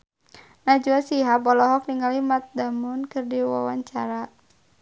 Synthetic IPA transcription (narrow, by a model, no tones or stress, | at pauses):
nad͡ʒuasiɦapɔlɔɦɔk̚niŋalimat̪̚damunkɨrdiwa̰wa̰ɲt͡ʃaɾa